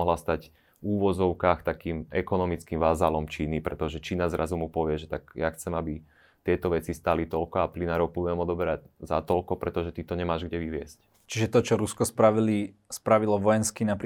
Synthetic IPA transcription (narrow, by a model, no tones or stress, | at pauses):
ɔɦlast̪ac | uːʋɔd͡zɔʊkaːxt̪akiːmɛkɔnɔmit͡skimʋazalɔmt͡ʃiːnipɾɛt̪ɔʒɛt͡ʃiːnazɾʔazumupɔʋɪɛʒɛt̪aɡjaxt͡sɛmabi | t̪ɪɛt̪ɔʋɛt͡sist̪alit̪ɔlkɔaplinaːɾɔʊpuɛmɔd̪ɔbɛɾaɟzat̪ɔlkɔpɾɛt̪ɔʒɛt̪it̪ɔɲɛmaːʒɡɟɛʋiʋɪɛsc | t͡ʃiʒɛt̪ɔt͡ʃɔɾuskɔspɾaʋilispɾaʋilɔʋɔjɛnskinap